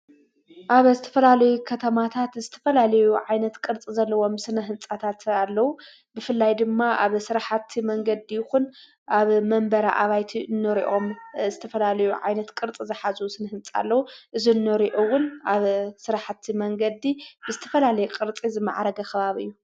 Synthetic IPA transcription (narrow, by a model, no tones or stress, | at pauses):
ʔaβzɨt̪ʰɐ̥fɐlalɐjukʰɐt̪ʰɐmat̪ʰat̪zɨt̪ʰɐ̥fɐlalɐjuʕajnɐt̪kʼɨɾt͡sʼizɐlːɐwo̞msɨnɐɦɨnt͡sʼat̪ʰat̪alːɐwu | bɨfɨlːajd̪ɨmːaʔaβsɨɾaħat̪ʰimɐŋɡɐd̪ijɪxun | ʔaβmɐmbɐɾaʔaβajt̪ʰiɨnːɨɾiʔo̞mzɨt̪ʰɐfɐlalɐjuʕa̰jnɐt̪kʼɨɾt͡sʼizɨħazusɨnɐhɨnt͡sʼa̰lːɐwuʔɨzinːɨɾiʔowʊnaβsɨɾaħat̪ʰimɐŋɡɐd̪ibɨzɨt̪ʰɐ̥fɐlalɐjukʼɨɾt͡sʼizɨmːa̰ʕaɾɐɡɐkʰɐβaβiɨ̰jːu